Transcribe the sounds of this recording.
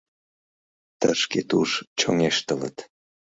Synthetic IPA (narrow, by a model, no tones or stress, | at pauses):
t̪əʃket̪uʃt͡ɕoŋeʃt̪ələ̰t̪